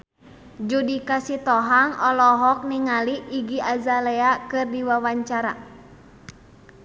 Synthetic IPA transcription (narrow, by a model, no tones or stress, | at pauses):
d͡ʒudikasit̪ɔɦaŋɔlɔɦɔk̚niŋaliːɡiʔazalɛakɨrdiwawaɲt͡ʃaɾa̰